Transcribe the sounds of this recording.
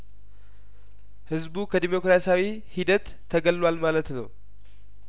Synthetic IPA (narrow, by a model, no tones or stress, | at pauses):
hɨzbukʰəd̪imo̞kɾasawi | hid̪ət̪ʰːəɡəlːalmalət̪nə̰w